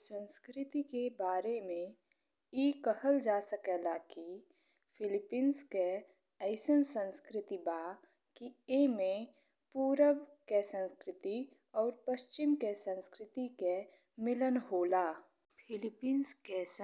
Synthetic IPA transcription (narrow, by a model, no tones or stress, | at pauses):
sə̃nskɾɪt̪ikebaːɾemẽ | iːkəhəld͡ʒaːsəkɛːlaki | pʰɪlɪpiːnske | əɪsənsə̃nskɾɪt̪ibaː | kiemẽ | puːɾəbkesə̃nskɾɪt̪i | ɔːɾpəʃt͡ʃɪmkesə̃nskɾɪt̪ike | mɪlənɦoːlaː | pʰɪlɪpiːnskes